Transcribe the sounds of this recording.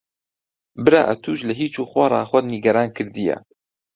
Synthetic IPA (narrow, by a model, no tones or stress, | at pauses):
bɨɾa̰ːʔɐt̪ʰuʃlɐɦiːt͡ʃuːxwɑɾˤɑ̰ːxʷɐd̪niɡɐɾaːnkʰɨɾd̪ijɛ̰